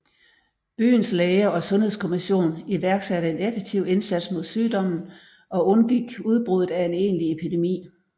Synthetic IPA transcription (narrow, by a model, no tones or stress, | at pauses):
b̥y̰ːn̩sleɪɐɒ̽sɔ̽nhe̝ð̞̰ˠskʰo̝miɕo̝̰ːniʋæɐɡ̥sæɾəe̝nefeɡ̥̚t͡sʰiʊ̰e̝nsæd̥smo̝ð̞̰ˠsyːd̥ɒ̽m̰n̩ | ʔɒ̽ɔ̽nɡ̥iɡ̥uð̞ˠb̥ʁuð̩ˠæe̝ne̝̰ːnlie̝pʰid̥e̝mḭː